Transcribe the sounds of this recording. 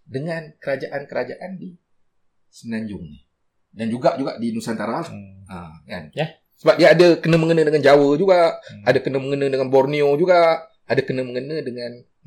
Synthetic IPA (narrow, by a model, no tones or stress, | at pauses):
dəŋankəɾad͡ʒaʔankəɾad͡ʒaʔandi | sənãɲd͡ʒʊŋɲɪ | dand͡ʒuɡaʔd͡ʒuɡaʔdinusant̪aɾaaəka̰njah | səbap̚diaːdəkənə̃məŋənə̃dəŋand͡ʒawəhd͡ʒuɡaʔadəkənəməŋənə̃dəŋanbɔrniod͡ʒuɡaʔ | adəkənəməŋənə̃dəŋãn